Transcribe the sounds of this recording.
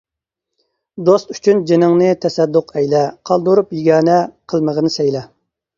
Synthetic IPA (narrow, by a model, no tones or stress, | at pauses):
d̪ost̪y̥t͡ʃʰynd͡ʒenɪŋnɨt̪ʰɛsɛd̪ːʊqʰɛjlɛqʰɑlˠd̪uɾupjiɡʲɑːnɛqʰəlˠməʁənɨsɛjlɛ